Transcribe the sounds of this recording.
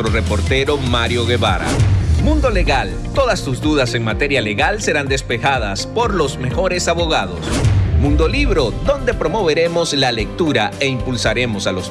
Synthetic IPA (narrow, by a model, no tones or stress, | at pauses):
ɾore̞po̞ɾt̪e̞ɾo̞maɾjo̞ɣeβa̰ɾa̰mũnd̪o̞le̞ɣal | t̪o̞ðast̪uzd̪uðase̞ŋmat̪e̞ɾjale̞ɣalse̞ɾand̪e̞spe̞xað̞aspo̞ɾlo̞zme̞xo̞ɾe̞saβo̞ɣaðo̞̰smũnd̪o̞liβɾo̞ðo̞nd̪e̞pɾo̞mo̞βe̞ɾe̞mo̞slale̞k̚t̪uɾae̞impulsaɾe̞mo̞salo̞s